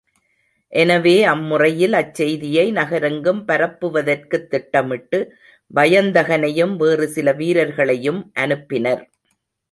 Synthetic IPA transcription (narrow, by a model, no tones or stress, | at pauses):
ʔɛnɐʋeːɐmːʊrɐjɪlɐt͡ʃːɛjðɪjɐɪnɐɣɐɾɐŋɡɯmpɐɾɐpːɯʋɐðɐrkɯt̪ːɪʈːɐmɪʈːɯ | ʋɐjɐnd̪ɐɣɐnɐjɯmʋeːrɯsɪlɐʋiːɾɐɾɣɐɭɐjɯmʔɐnɯpːɪnɐɾ